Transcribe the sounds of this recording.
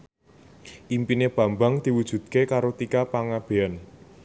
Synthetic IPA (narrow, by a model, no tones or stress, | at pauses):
ʔimpineb̥a̤mbaŋd̪̥i̤wud̥ʒ̥ṳd̪̥̚kekaɾot̪ikapaŋab̥e̤an